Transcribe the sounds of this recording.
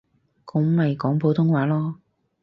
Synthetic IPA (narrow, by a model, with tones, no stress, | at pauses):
kʊ˨˧˥ŋmɐ˨jkɔː˨˥ŋpo˨˧wt̪ʰʊ˥ŋwaː˨˥lɔː˥